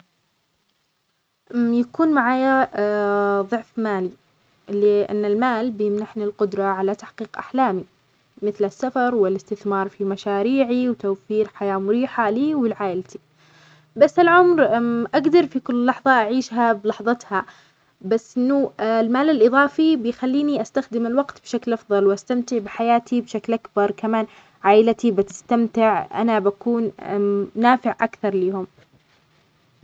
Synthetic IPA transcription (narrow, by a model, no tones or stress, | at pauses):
ʔjakuːnmaʕaːja | ðˤʊʕfmaːli | lɪʔa̰nːɪlmaːlbjɪmnaħnilqʊd̪ɾˤɑʕalat̪aħqiːqʔa̰ħlaːmi | mɪθlɪsːafɑɾˤwɪlɪst̪ɪθmɑːɾˤfimaʃaːɾiːʕiwt̪awfiːɾħajaːmʊɾiːħaliːwɪlʕaːʔɪlt̪i̥ | basːɪlʕʊmɾʔaɡd̪ɑɾˤfikʊlːlːɑħðˤɑʔaʕiːʃɦablɑħðˤɑt̪ha | basːʔɪnːʊlmaːlalʔɨðˤɑːfibɪjxalːiːniʔast̪axd̪ɪmɪlwɑɡt̪bʃaklʔɑfðˤɑlwʔast̪amt̪ɪʕbɪħajaːt̪ʰibʃaklʔakbɑɾˤkamaːn | ʕaːʔɪlt̪ibɪt̪ɪ̥st̪amt̪ɪʕʔa̰nabakuːn | naːfɪʕʔakθɑɾˤliːhʊm